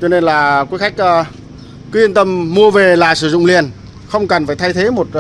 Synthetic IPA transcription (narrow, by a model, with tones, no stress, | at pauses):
t͡ɕɔ˧ne˧nlaː˨˩kwi˨˦jxa˦˥jk̟̚ʔː | kɨ˨˦i˧ənt̪ə˧mːu˧əve˨˩laː˨˩sɨ˧˩zʊ̰˧˨ŋ͡mli˨˩ən | xə˧wŋ͡mkə˨˩nfaː˧˩jt̪ʰa˧jt̪ʰe˨˦mo˨˩t̚